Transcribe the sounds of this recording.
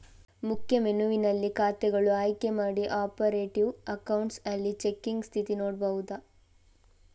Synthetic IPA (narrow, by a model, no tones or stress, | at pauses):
mukʰjɐmenuʋinɐlːikaːt̪ɛɡɐɭuaːjkemaːɽiʔaːpɐɾeːʈiʋɐkɐwɳʈsɐlːit͡ʃekːiŋɡst̪ʰit̪inoːɽbɐʋud̪ɐ